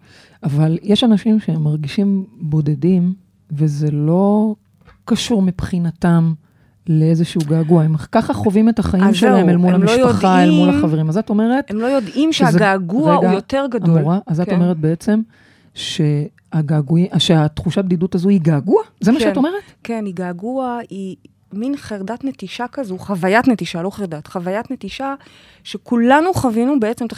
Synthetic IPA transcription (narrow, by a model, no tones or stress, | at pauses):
avaljeʃanaʃimʃeemːaʁɡiʃimbo̞dedim | ve̞zelo̞ | kaʃuʁmipχinatam | leezeʃuuɡaːɡuaemkaχaχo̞vime̞taχaimʃelahemelmulhammiʃʃaχaelmmulaχaveʁimazato̞me̞ʁe̞temlojodimʃeazɡaɡuʁaeɡajote̞ʁɡadouʁaʔazattome̞ʁet̚beet͡se̞m | ʃe̞ | aɡaːɡuiʃeatχuʃabdidutazuiɡaːɡuazemaʃato̞me̞ʁetkeniɡaːɡuai | minχeʁdatnetiʃakazuχavajatnetiʃalo̞χeʁdatχavajatnetiʃa | ʃekulanuχavinubeet͡semta